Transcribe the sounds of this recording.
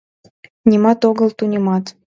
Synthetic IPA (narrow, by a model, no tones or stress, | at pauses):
nʲimɑt̪oɣəlt̪unʲemɑt̪